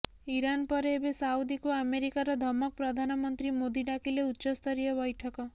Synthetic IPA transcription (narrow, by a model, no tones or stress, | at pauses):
iɾanpɔɾeːbesawd̪ikoameɾikaɾɔd̪ʱɔmɔk̚pɾɔd̪ʱanɔmɔnt̪ɾimod̪iɖakʰileutːʃɔst̪ʰɔɾijɔbɔjʈʰɔkɔ